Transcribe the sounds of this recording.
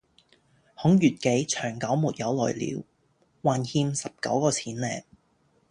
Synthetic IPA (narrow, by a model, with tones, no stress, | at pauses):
hʊ˨˥ŋjyː˨t̚ke˨˥jt͡ʃʰœː˨˩ŋkɐ˨˥wmuː˨t̚jɐ˨˧wlɔ̰ː˨˩jlḭː˨˥w | waː˨nhiː˧msɐ˨p̚kɐ̰˨˥wkɔː˧t͡sʰiː˨˥nlɛː˨˧ŋ̚